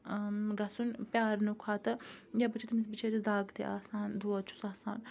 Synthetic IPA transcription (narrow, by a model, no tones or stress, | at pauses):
ɡɐsunpʲjaːɾnukʰaːt̪ɐjabɐt͡ʃʰit̪misbit͡ʃʰeɾisd̪aːɡt̪ḛʔa̰ːsaːnd̪uːɐt͡ʃʰu̥saːsaːn